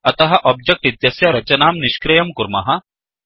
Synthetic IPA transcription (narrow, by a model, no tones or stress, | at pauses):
ɐt̪ɐɦɐʔɔb̚d͡ʒɐk̚ʈit̪jɐsjɐɾɐt͡ʃɐnaːmniʃkɾɐjɐmkuɾmɐɦɐ